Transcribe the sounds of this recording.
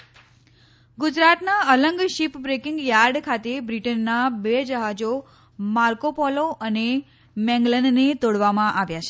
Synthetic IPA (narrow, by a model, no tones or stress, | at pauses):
ɡud͡ʒɾat̪naələŋɡʃipbɾekɪŋɡjaɾɖkʰat̪ebɾiʈənːabed͡ʒəɦad͡ʒo | maɾkopɔloʔəne | mɛ̃ŋɡlənːet̪oɽʋamãʔaʋjat͡ʃʰe